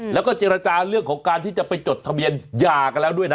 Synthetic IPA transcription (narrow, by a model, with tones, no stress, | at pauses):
lɛː˦˥wkɔː˥˩t͡ɕeː˧ɾa˧t͡ɕaː˧ɾɯ˥˩əŋkʰɔː˩˦ŋkaː˧nt̪ʰiː˥˩t͡ɕa˨˩pa˧jt͡ɕo˨˩t̪ʰːa˧mbi˧ənjaː˨˩ka˧nlɛː˦˥wdu˥˩əjna˦